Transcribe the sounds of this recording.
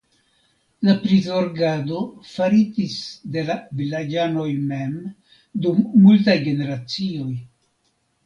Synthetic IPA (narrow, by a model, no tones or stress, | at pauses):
lapɾizo̞ɾɡado̞faɾid͡ʒisde̞lavilad͡ʒano̞jme̞m | dumːultajɡe̞ne̞ɾat͡sio̞j